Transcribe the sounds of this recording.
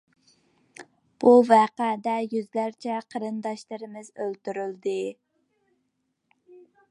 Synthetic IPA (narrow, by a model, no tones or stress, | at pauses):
b̥uvæqæd̪ɛjyzlæɾt͡ʃʰɛqʰəɾɨnd̪ɑʃlˠɨɾɨmɨzølt̪yɾyld̪ɪ